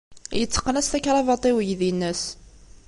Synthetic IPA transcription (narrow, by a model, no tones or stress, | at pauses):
jət͡sːə̥qːənæst̪ækɾˤɑvɑt̪ˤewəʝðinːəs